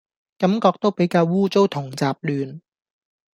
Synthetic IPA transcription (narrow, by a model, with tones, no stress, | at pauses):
kɐ˨˥mkɔː˧k̚t̪o˥wpe˨˥jkaː˧wwuː˥t͡so˥wt̪ʰʊ˨˩ŋt͡saː˨˧p̚lyː˨˧n